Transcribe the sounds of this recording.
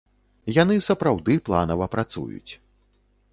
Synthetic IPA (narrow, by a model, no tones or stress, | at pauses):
janɨsɐpɾawd̪ɨplˠa̰nɐvɐpɾat̪sṵjṵt͡sʲ